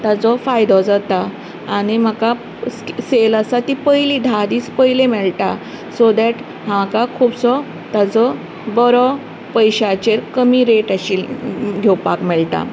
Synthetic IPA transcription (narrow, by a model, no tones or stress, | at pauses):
t̪at͡sɔfajd̪ɔd͡zat̪aː | ɽ̃im̤əka | sseləsat̪ipəjliːd̪ʱad̪iːt͡spəjlemɛɭʈa | sod̪ɛʈ | ɦãakakʰuːbsɔ | t̪at͡sɔ | bɔɾɔ | pəjɕat͡ɕeɾkəmiɾeʈaɕiɡʱewpa̰kmɛɭt̪a̰